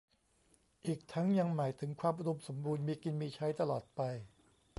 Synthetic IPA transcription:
ʔiː˨˩k̚t̪ʰa˦˥ŋja˧ŋmaː˩˦jt̪ʰɯ˩˦ŋkʰwaː˧mʔu˧ɾo˧mso˩˦mbuː˧nmiː˧ki˧nmiː˧t͡ɕʰa˦˥jt̪a˧lɔː˨˩t̪̚pa˧j

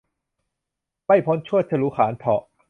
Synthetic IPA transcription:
pa˥˩jpʰo˦˥nt͡ɕʰu˥˩ət͡ɕʰa˧˨luː˨˦˥xʰaː˩˦nt̪ʰɔ˨˩ʔ

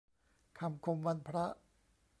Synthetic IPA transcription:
kʰa˧mkʰo˧mwa˧npʰɾa˦˥ʔ

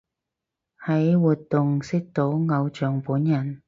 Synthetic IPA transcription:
hɐ˨˥jwuː˨t̚t̪ːʊ˨ŋsɪ˥k̚t̪o˨˥wŋɐ˨˧wt͡ʃœː˨ŋpuː˨˥njɐ˨˩n

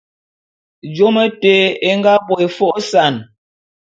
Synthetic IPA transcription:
d͡ʒo˦mə˦te˦e˦ŋɡa˦bo˨e˨fo˦ʔsa˨n

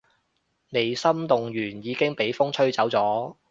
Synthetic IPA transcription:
ne˨jsɐ˥mt̪ʊ˨ŋjyː˨˩njiː˨˧kɪ˥ŋpe˨˥jfʊ˥ŋt͡sʰɵ˥ɥt͡sɐ˨˥wt͡sɔː˨˥

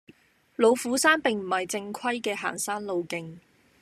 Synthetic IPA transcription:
lo˨˧wfuː˨˥saː˥npɪ˨ŋm̩˨˩hɐ˨jt͡sɪ˧ŋkʰɐ˥jkɛː˧ɦa̰ː˨˩nsaː˥nlo˨˧wkɪ˨ŋ

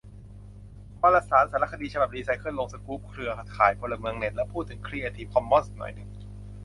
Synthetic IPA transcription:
baː˧la˧saː˩˦nsaː˨˩˦la˦˥kʰːa˧iː˧t͡ɕʰa˧ba˨˩liː˧sa˧˩jkʰɯ˥˩˨nlo˧ŋsa˧kuː˦˥p̚kʰɾɯ˧ɐa˧kʰaː˩˦jpʰo˧la˧mɯ˧əŋne˨˩t̪̚lɛ˦˥pʰuː˥˩t̪ʰːɯ˩˦ŋkʰɾiː˥˩ʔa˧t̪ʰiː˧˥kʰɔ˧mːɔ˥˨ns̚nɔ̰˨˩jnɯ˨˩ŋ

